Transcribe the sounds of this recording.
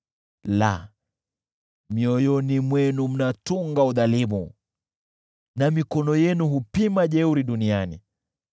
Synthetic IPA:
la̰ | miɔjɔnimwɛnum̩natuŋɡauðalimṵ | namikɔnɔjɛnuɦupimaʄɛuɾiɗunianḭ

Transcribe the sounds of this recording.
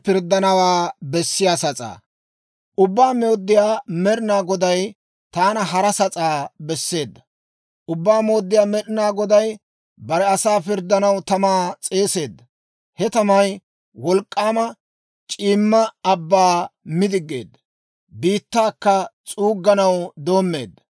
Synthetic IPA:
pɪɾd̪ːɐnɐwaːbɛsːɪjaːsɐt͡sʼa̰ː | ʔʊbːaːmoːd̪ːɪjaːmɛɾɪnaːɡɔd̪ɐj | t̪aːnɐɦɐɾɐsɐt͡sʼaːbɛsːe̞ːd̪ːɐ̥ | ʔʊbːaːmo̞ːd̪ːɪjaːmɛɗɪnaːɡɔd̪ɐj | bɐɾɛɐsaːfɪɾd̪ːɐnɐwt̪ɐmaːt͡sʼe̞ːse̞ːd̪ːɐ | hɛt̪ɐmɐj | wɔlkʼːaːmɐ | t͡ʃʼiːmːɐɐbːaːmɪd̪ɪɡːḛːd̪ːɐ | biːt̪ːaːkːɐt͡sʼuːɡːɐnɐwd̪o̞ːmːe̞̰ːd̪ːɐ

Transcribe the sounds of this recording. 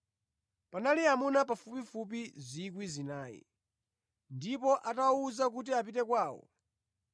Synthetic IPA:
panaliamunap̬afupifup̬izik̬wizinaːjḭ | ndipɔʔatawuzak̬ut̬iapitɛkwaːwɔ̰

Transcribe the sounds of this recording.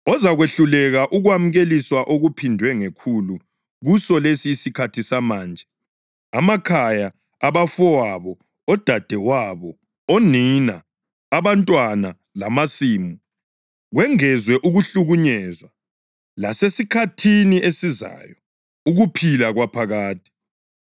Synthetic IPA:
ɔzaɣweɬulɛɣaʔuɣwam̩ɣeliswaʔoɣupʰindʱwɛŋekʰulu | ɣusɔlesiːsikʰatʰisamaːnd͡ʒʱɛ | amakʰajaː | βafɔwaβɔ | ɔd̥ʱad̥ʱɛwaβɔ | oninaː | βantʼwana | lamasiːmu | ɣwɛŋɛzwɛʔuɣuɬuɣuɲɛzwa | lasesikʰatʰiniʔesiza̰jɔ | uɣupʰilaɣwapʰaɣaːt̚ʰi̥

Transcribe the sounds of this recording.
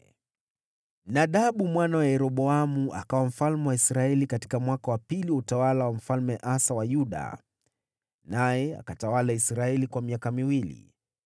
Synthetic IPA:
naɗaɓumwanawajɛɾɔɓɔamuʔa̰kawam̩falmɛwaisɾaɛlikati̥kamwakawapiliwautawalawam̩falmɛʔasawajuɗa̰ | najɛa̰katawalaisɾaɛlikwamiakamiwilḭ

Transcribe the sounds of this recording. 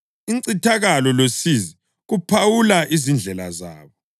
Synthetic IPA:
iŋǀitʰaɣalɔlosizi | ɣupʰawulaʔizind͡ɮʱɛla̰za̰ːβɔ

